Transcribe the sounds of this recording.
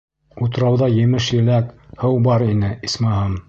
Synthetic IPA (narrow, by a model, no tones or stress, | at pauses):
ut̪̆ɾɑwðɑjɘ̆mɘʃjɘ̆lækhɤwbɑɾinɘismɑɦɑm